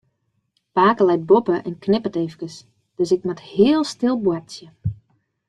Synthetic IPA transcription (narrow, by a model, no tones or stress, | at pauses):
paːkəlɛjt̚bopəʔɛnknɪpəteːfkəs | d̥øsɪk̚mathɪəlˠstɪlˠbwɛsjə